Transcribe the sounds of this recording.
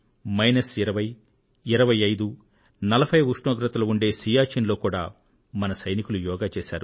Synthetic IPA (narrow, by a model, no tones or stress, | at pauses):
mɐjnɐsiɾɐʋɐj | iɾɐʋɐjɐjd̪u | nɐlɐbʰʱɐjuʂɳoːɡɾɐt̪ɐlɐuɳɖe̞ːsiːjaːt͡ʃinlo̞ːkuːɽaː | mɐnɐsɐjnikulujɔːɡaːt͡ʃeːʃa̰ːɾu